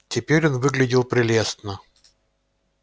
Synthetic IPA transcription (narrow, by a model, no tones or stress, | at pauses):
tʲɪpʲeɾʲonvɨɡlʲɪdʲɪlˠpɾʲɪlʲest̪nə